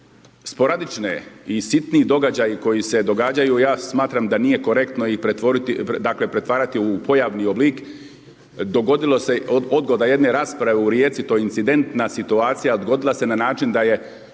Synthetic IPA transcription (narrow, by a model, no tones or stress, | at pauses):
spo̞ɾad̪it͡ʃnḛisit̪niːd̪o̞ɡad͡ʑajiko̞jise̞d̪o̞ɡaːd͡ʑajujaːsmaːt̪ɾamd̪anije̞ko̞ɾe̞kt̪noipɾet̪ʋoɾit̪id̪akle̞pɾe̞t̪ʋaːɾat̪iupo̞jaʋnioblik | d̪oɡod̪ilˠoseod̪ɡo̞d̪aje̞d̪ne̞ɾaːspɾaʋeuɾjeːt̪sit̪o̞ːjeint̪sid̪e̞nt̪nasit̪uaːt̪sijad̪ɡo̞d̪ilˠase̞nanaːt͡ʃind̪aje̞